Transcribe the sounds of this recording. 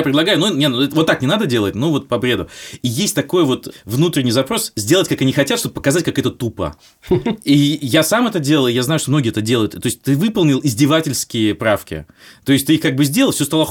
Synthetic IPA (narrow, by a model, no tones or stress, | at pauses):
jpɾʲɪd̪lˠɐɡajʊnunʲenɛt̪əvo̞t̪ːaknʲɪnad̪ədʲe̞lˠət̚ʲnuvo̞t̪̚pɐbɾʲe̞d̪ʊijesʲtʲt̪ɐko̞jəvo̞t̪vnut̪ɾʲɪnʲijzɐpɾo̞szʲdʲelˠətʲkakɐnʲixɐtʲat̪ʂt̪obəpə̥kɐzatʲkakɛt̪ət̪upə̰ | ijasamɛt̪ədʲelˠəjaznajʊʂt̪omnoɡʲɪːɛt̪ədʲe̞lˠəjʊt̪t̪o̞ɪsʲt̚ʲt̪ɨvɨpəlˠnʲɪlˠɪzʲdʲɪvatʲɪlʲskʲɪjəpɾafkʲɪ̰ | t̪o̞ɪsʲt̪ɨixkaɡ̚bɨzʲdʲeləlˠfsʲost̪alˠə